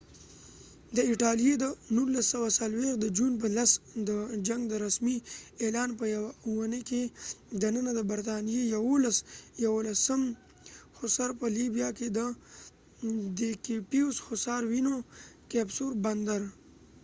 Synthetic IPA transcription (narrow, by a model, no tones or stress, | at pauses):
d̪əiʈalijed̪ənulːasːəwasalwex̚d̪əd͡ʒunp̬əlasd̪əd͡ʒaŋɡd̪əɾasmielɑːnpəjawauwanəked̪anənad̪əbaɾt̪ɑnijejawolasjawolasəm | xʊsaɾpəlibijaked̪ə | d̪ekepiusxʊsɑɾwinokɛbsoɾband̪aɾ